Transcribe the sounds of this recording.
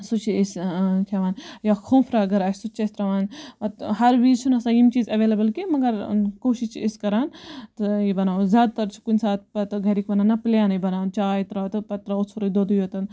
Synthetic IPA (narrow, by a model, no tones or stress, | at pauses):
sut͡ʃʰiiskʰeʋaːnjaːkʰõːmfʰɾaːɡɐɾaːsʰsut͡ʃesʲt̪ɾɐʋaːnɐt̪hɐɾʋiːzt͡ʃʰunɐsãːjimt͡ʃiːzɐʋeːlɐbɐlkimɐɡɐɾkoːʃit͡ʃʰiiskɐɾaːnt̪ɨjibɐnaːzʲjaːd̪̚t̪ɐɾt͡ʃʰi̥kunʲsaːt̪̚ʰpɐt̪ɡɐɾikbɐnaːnɐplʲjaːnjibɐnaːnt͡ʃaːjt̪ɾaːt̪ɨpɐt̪ɾaut͡sʰuɾud̪od̪ujot̪ɐn